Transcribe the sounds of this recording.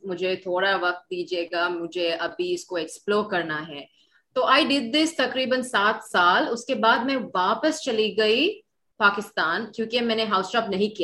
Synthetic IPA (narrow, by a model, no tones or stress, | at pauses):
mʊd͡ʒʱet̪ʰoːɽaʋɐk̚t̪̚d̪iːd͡ʒieːɡamʊd͡ʒʱeɐbʱiɪskoɛksploːɾkɐɾnaɦɛː | t̪oːʔaːɪɖɪd̪̚d̪ːɪst̪ɐkɾiːbənsaːt̪ʰsaːlʊskebaːd̪mɛ̃ʋaːpəst͡ʃɐliɡɐi | paːkɪst̪aːnkjõːkemɛ̃ːneɦaːʊsʈɔːpnɐɦĩkija